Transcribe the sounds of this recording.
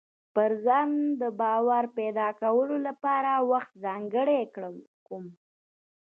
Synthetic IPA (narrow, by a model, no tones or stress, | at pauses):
pəɾzɑnd̪əbɑwaɾped̪ɑkawəlolapɑɾawaxt̪zɑŋɡəɽekɽəl | kum